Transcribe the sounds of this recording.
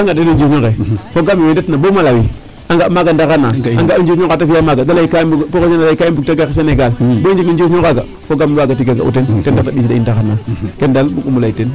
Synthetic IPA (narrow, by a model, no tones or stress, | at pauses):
aŋɡadedid͡ʒuɲokekoɡamiedtnabomalawi | aŋɡamaɡandaɣanːaaŋɡand͡ʒusɲokatafijamaɡadalaikabupooanalaikajimbuk̚taɡais̬aneɡalbod͡ʒikind͡ʒosokaɡa | foɡamaɡatiɡeɡa̰ṵtentendaktadisida̰indaxanːakendalmukumulaiten